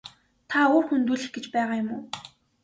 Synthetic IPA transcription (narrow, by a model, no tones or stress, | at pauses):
t̪ʰaʊːrxunt̪uːɮɘ̆xɡ̥et͡ɕpæːʁaːjʊmʊː